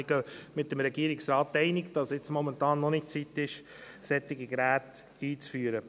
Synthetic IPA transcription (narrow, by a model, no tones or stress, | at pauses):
ɪɡ̥œmɪtəmɾɛɡiəɾɪksɾɑːt̚tɛɪnɪkd̥ɑsɪt͡smɔmɛntɑːnːɔnɪt̚t͡sit̪ːɪʃ | sɛt̪ːɪɡiɡɾæːt | iːt͡sfyːɾə